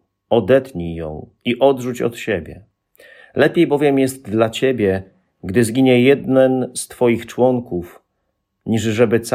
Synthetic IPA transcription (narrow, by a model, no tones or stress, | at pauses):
ɔd̪ɛt̪ɲijɔ̰̃w̃ | iʔɔd̪ʐut͡ɕɔ̰t̪ɕebʲjɛ | lɛpʲjejbɔvʲjɛmjɛst̪̚d̪lat͡ɕebʲjɛ | ɡd̪ɘzɡʲiɲɛjɛd̪nɛnst̪fɔjixt͡ʂwɔŋkuf | ɲiʐʐɛbɘt̪s